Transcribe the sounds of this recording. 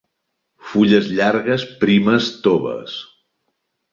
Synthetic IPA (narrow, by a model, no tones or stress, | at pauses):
fuʎəzʎaɾɣəspɾiməst̪oβə̰s